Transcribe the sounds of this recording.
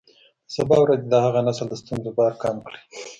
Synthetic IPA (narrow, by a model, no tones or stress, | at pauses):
sabɑwɾazed̪ahaɣanasəld̪əst̪unzobɑɾkɑmkɽi̥